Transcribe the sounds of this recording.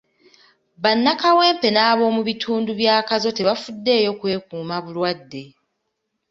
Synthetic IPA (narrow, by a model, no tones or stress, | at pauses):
βanːakawe̞ːmpe̞naːβo̞ːmuβitʰuːnduβjaːkazo̞te̞βafudːe̞ːjo̞kwe̞ːkuːmaβulwadːe̞